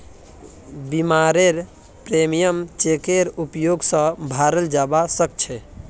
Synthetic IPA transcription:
bimaɾeɾ | pɾemijəmt͡ʃekeɾupjoɡsə̃bʱaɾəld͡ʒabasək̚t͡ʃʰɛ

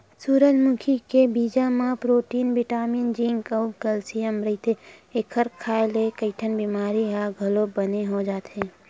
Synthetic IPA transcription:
suːɾəd͡ʒmʊkʰikebiːd͡ʒamãpɾoːʈiːnbɪʈaːmijənd͡ʒĩŋɡəʊɡəlsijəmɾɐit̪ʰeekʰəɾkʰaːelekəɪʈʰənbiːmaːɾiɦaɡʱɐlobəneɦod͡ʒaːt̪ɦẽː

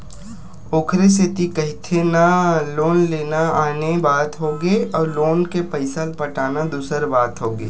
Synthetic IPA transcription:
oːkʰɾeset̪ikəɦɪt̪ʰenaloːnleːnaaːnebaːt̪ɦoɡeɔːɾloːnkepəɪsəlpəʈaːnad̪uːsəɾbaːt̪ɦoːɡḛː

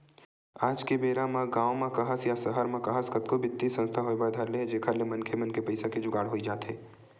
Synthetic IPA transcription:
aːd͡ʒkebeːɾamãɡãːomãkɐɦəsjasɐɦəɾmãkɐɦəskɐt̪kobɪt̪ːisə̃nst̪ʰaɦoːbɐɾd̪ʱaːɾleɦd͡ʒeːkʰaɾlemɐnkʰemɐnkepɐɪsaked͡ʒʊɡaːɽɦoːid͡ʒaːt̪ɦeː

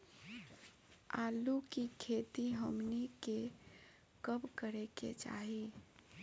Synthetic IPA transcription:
aːlukikʰeːt̪iɦəmnike | kəbkəɾekḛt͡ʃa̰ːɦi

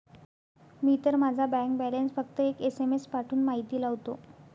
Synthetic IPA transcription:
miːt̪əɾmad͡zʱabɛ̃ŋk̚bɛlensfək̚t̪əekesemespaʈʰuːnmaɦit̪iːlaʋt̪o

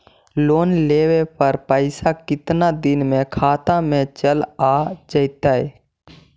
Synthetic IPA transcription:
loːnleːwepəɾpəɪsakɪt̪nad̪ɪnmẽkʰaːt̪amẽt͡ʃəlaːd͡ʒəɪt̪aɦɛː

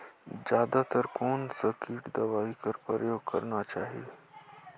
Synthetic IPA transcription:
d͡ʒjaːd̪at̪ɐɾkoːnsɐkiːʈd̪ɐʋaːikɐɾpɾə̰joːɡ̚kɐ̰ɾnat͡ʃaːɦie

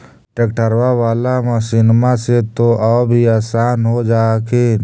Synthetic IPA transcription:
ʈeːkʈəɾwawaːlamasiːnmãset̪oʔaːbʱiaːsaːnɦod͡ʒaːkʰe

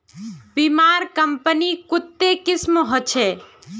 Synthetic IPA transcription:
bimaɾkəmpənikʊt̪ːekɪsmɦot͡ʃʰe

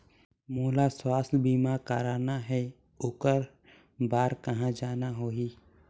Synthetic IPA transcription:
moːlaswaːslbiːmakəɾaːnaɦɛ | ʊkəɾ | baːɾkəɦãd͡ʒaːnaɦoːiː

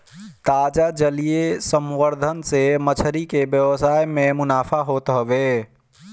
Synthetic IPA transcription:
t̪ad͡ʒad͡ʒəlijesəmwəɾd̪ʱənsemət͡ʃʰəɾikebjəwəsajmemʊnaːpʰaɦot̪ɦəbe

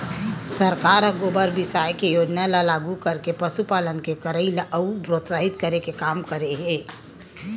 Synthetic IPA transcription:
səɾkaɾəɡobəɾbɪsajkejod͡ʒnalalaɡukəɾkepəsupalənkekəɾəilaʔəupɾot̪saɦit̪kəɾekekamkəɾeɦe

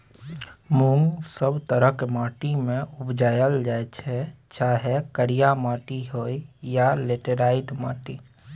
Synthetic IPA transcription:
mũŋɡsəbt̪əɾəkmaːʈimẽʊbd͡ʒaːjəld͡ʒaːet͡ʃʰɛ | t͡ʃaːɦekəɽijamaːʈiɦoːijaleːʈeɾaːɪʈma̰ːʈi

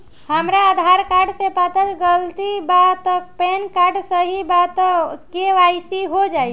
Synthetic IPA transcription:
həmɾaːd̪ʱaɾkaɾɖsepat̪əd͡ʒɡəlt̪ibat̪ək̚pɛnkaɾɖsəɦibat̪əkeʋaisiɦod͡ʒaːi

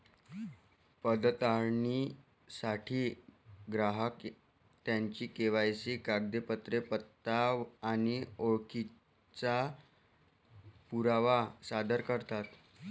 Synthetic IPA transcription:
pəd̪ət̪aɾɳi | saʈʰiːɡɾaɦək | t̪jaɲt͡ɕiːkeʋajt͡siːkaɡ̚d̪epət̪ɾepət̪ːaʋːnioɭki | t͡sa | puɾaʋasad̪əɾkəɾt̪at̪

